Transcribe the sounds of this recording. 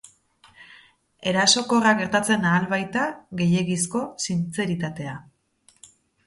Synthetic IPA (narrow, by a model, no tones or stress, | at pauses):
e̞ɾaso̞ko̞raɣe̞ɾt̪at͡se̞naːlβajt̪aɣe̞je̞ɣisko̞sint͡se̞ɾit̪at̪e̞a